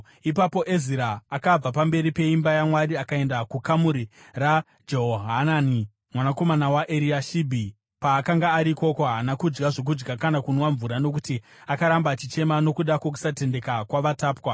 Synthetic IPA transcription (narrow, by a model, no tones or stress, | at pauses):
ipapo̞ʔeziɾaːkab͡vapambe̞ɾipe̞imbajamwaɾiakae̞ndakukamuɾira | d͡ʒoɦoɦanani | mwanako̞manawaʔeɾiaʃibʱi | paːkaŋɡaːɾiko̞koaːnakud͡ʒɡaʐo̞k̬ud͡ʒɡakanakunwaɱvuɾano̞k̬uti | akaɾambat͡ʃit͡ʃe̞mano̞kuɗakwok̬u̥sate̞nde̞kakwaʋataːpwa